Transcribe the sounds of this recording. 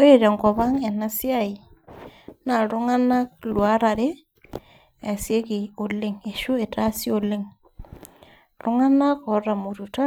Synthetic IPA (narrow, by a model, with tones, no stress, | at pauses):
o˦e˨ɾa˨ŋkɔ˨βa˦ŋɛ˨na˦si˦a˦˨i˨ | na˨ɾʊ˦ŋa˦na˦klwa˦ɾa˨ɾe˦ | a˨sje˦ke˨o˨le˦ŋe˨ʃu˦e˨ta˦si˦o˨le˦ŋ | ɾʊ˦ŋa˦na˦kɔ˨ɾa˨mo˨ɾu˨ta˦